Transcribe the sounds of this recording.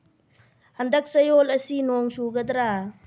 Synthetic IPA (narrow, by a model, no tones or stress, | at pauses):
handɐk̚sɐjolɐsinɔŋsuɡɐd̪ɾa